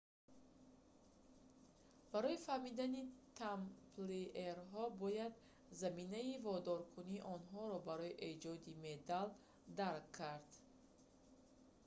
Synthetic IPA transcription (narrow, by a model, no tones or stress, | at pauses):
b̥aɾɔifahmid̪anit̪ʰampleeɾɦɔbɔjad̪ | zaminaivɔd̪ɔɾkʰuniːʔɔnɦɔɾɔbaɾɔiʔe̞d͡ʒɔd̪imed̪al | d̪aɾkʰːaɾd̪